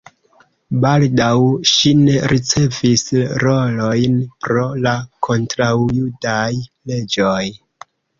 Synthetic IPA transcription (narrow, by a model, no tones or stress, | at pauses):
baldawʃine̞ɾʔit͡se̞visɾo̞lo̞jnpɾo̞lakʰo̞ntɾawjudajle̞d͡ʒo̞j